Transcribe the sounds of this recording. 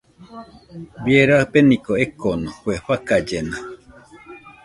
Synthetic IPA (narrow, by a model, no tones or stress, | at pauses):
bjeɾapenĩkoekonohweɸakad͡ʒena